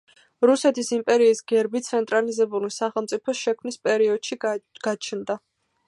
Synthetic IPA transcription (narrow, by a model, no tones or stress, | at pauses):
ɾusɛt̪ʰisimpʼɛɾiːsɡɛɾbit̪sʰɛnt̪ʼɾalizɛbulisaχɛlˠmt̪sʼipʰɔsʃɛkʰmnispʼɛɾiɔd̪̥ʃiɡ̥at͡ʃʰnd̪a